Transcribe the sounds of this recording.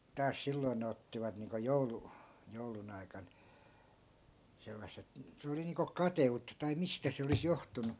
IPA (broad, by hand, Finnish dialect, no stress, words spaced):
tɑːs silːoĭn ne otːiʋɑt niːŋko joulu joulun ɑikɑn selːɑsˑet se oli niːŋko kɑteutːɑ tɑi mistæ se olis johtunu